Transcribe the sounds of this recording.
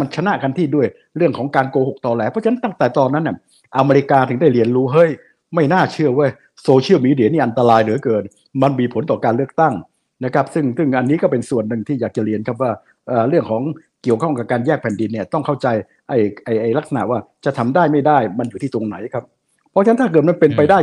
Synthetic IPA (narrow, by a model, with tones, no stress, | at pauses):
ma˧nt͡ɕʰa˧na˦˧˥ʔkʰa˧nt̪ʰiː˥˩du˥˩əj | ɾɯ˥˩əŋkʰɔː˩˦ŋkaː˧nkoː˧ho˨˩k̚t̪ɔː˧lɛː˧˥pʰɔ˦˥t͡ɕʰna˦˥nt̪a˥˩ŋt̪ɛː˨˩t̪ɔː˧nːa˦˥nːi˥˩ | ʔa˧me˧ɾi˧˥kaː˧t̪ʰɯ˨˩˦ŋda˥˩ɾi˧ənɾuː˦˥ɦɤ˦˥j | ma˥˩jnaː˥˩t͡ɕʰɯ˥˩əwaː˥˩ | soː˧t͡ɕʰi˥˩wmiː˧di˧˩əniː˥˩ʔa˧nt̪a˧ɾaː˧jnɯ˩˦kɤː˨˩n | ma˧nmiː˧pʰo˩˦nt̪ɔː˨˩kaː˧nlɯ˥˩ək̚t̪a˥˩ŋ | na˦˥kʰɾa˦˥p̚sɯ˥˩ŋsɯ˥˩ŋʔa˧nːiː˦˥kɔː˥˩pe˧nsu˨˩ənːɯ˨ŋt̪ʰiː˥˩jaː˨˩k̚t͡ɕa˨˩ɾi˧ənkʰa˦˥p̚waː˥˩ | ʔəː˨˩ɾɯ˥˩əŋkʰɔː˩˦ŋ | ki˨˩əwkʰɔ˥˩ŋka˨˩p̚kaː˧njɛː˥˩k̚pʰɛ˨˩ndi˧nːi˥˩ɐt̪ɔ˥˩ŋkʰa˥˩wt͡ɕa˧j | ʔa˧˩jʔa˧˩jʔa˧jla˦˥k̚sa˧na̰˨˩ʔ̚waː˥˩t͡ɕa˨˩t̪ʰa˧mdaː˥˩jma˥˩jdaː˥˩jma˧njuː˨˩iː˥˩t̪o˧ŋna˩˦jkʰa˦˥p̚ʰː | ɔ˦˥t͡ɕʰa˧˦˥nt̪ʰaː˥˩kɤː˨˩t̪̚ma˧npe˧npa˧jdaː˥˩